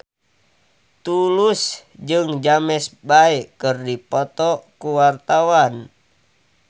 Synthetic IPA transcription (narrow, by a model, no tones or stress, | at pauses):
t̪ulusd͡ʒɨŋd͡ʒamɛsbaɛkɨrdipɔt̪ɔkuwart̪awan